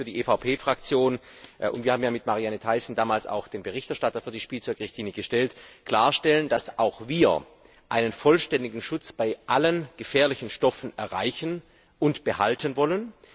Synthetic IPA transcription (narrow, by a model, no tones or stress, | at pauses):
fyːɐdiːʔeːfaʊpʰeːfʁ̥ak̚t͡sjoːn | ʔʊ̰ntviːaːmjaːmɪtmaʁianətʰaɪsn̩daːmaːlsa̰ʊxd̥eːnbəʁɪçtɛɐʃtatɐfyːdiːʃpiːlt͡sɔʏkʁɪçtʰiːnəɡ̥əʃtɛltkl̥aːɐʃtɛləndasʔaʊxviːɐ | ʔaɪnənfɔlʃtɛndɪɡŋ̩ʃʊt͡sb̥aɪʔalənɡ̥əfɛːɐlɪçn̩ʃtɔfn̩ɛɐʁa̰ɪçən | ʔʊntb̥əha̰ltʰənvɔlən